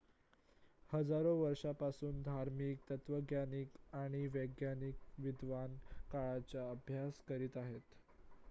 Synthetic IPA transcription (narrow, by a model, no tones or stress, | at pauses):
həd͡zaɾoʋəɾʂapasuːnd̪ʱaɾmiːk̚t̪ət̪ʋəɡjanikaɽ̃iʋəɡjanikʋid̪ʱʋankaɭat͡ɕaəbʱjaskəɾiːt̪aɦet̪